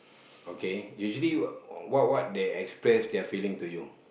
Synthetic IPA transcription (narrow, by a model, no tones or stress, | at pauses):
okejuʒəliwɔt̚wɔt̚deɛkspɹɛsdɛfilĩŋtuju